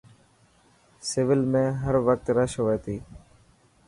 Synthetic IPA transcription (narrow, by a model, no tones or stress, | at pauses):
sɪʋɪlmẽːɦəɾʋək̚t̪ɾəʃɦoːeːt̪iː